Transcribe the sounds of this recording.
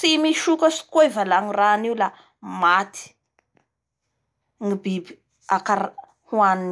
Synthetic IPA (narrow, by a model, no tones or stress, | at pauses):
t͡simiʃukəsi̥koevalaŋiraniwla | mat̪i̥ | ŋibibi̥ | akaɾ | huanin